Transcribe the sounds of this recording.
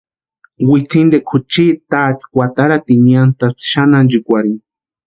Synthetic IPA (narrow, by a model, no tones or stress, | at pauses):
wit͡sind̪ekʰut͡ʃit̪at̪kʷat̪aɾat̪iɲant̪at͡sʃanand͡ʒikʷaɾin